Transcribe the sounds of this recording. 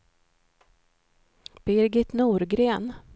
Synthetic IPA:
b̥ɪɾɡɪt̪nuːɾɡɾeːn

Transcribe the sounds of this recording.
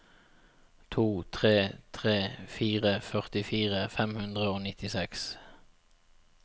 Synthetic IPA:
t̪ʰuːt̪ʰʁeːt̪ʰʁeːfiːʁəfœʁt̪ɪfiːʁəfɛmhʉnd̪ʁəoːnɪt̪ɪsɛks

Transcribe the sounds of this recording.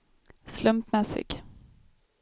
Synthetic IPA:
slɵmpmɛsɪ̰ɡ̥

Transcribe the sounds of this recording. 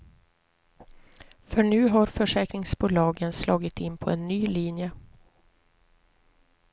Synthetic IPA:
fœɳʉ̟ːɦaɾfœʂɛːkɾɪŋsbuːlɑːɡənslɑːɡɪt̪ɪnːpʰɔɛnːyːliːnjə

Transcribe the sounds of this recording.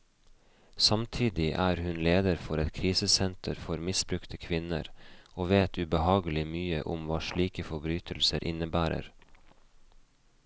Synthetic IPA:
sɑmt̪ʰiːd̪ɪʔæːɾhʉnleːd̪əɾfɔɾɛt̪kʰɾiːsəsɛnt̪ʰəɾfɔɾmɪsbɾʉkt̪ʰəkʰʋɪnə̰ɾoːʋeːt̪ʰʉːbəhɑːɡəlɪmyːə̰ʔʊmʋɑːʃɭiːkəfɔbɾyːt̪ʰəlsəɾʔɪnəbæːɾə̰ɾ

